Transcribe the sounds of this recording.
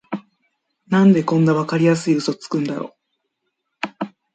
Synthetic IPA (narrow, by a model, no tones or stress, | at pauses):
nãnd̪e̞kõ̞nːaβakaɾʲijas̬ɨiɯ̟so̞t͡sɨ̥kɯ̟̃nd̪a̰ɾo̞̰ː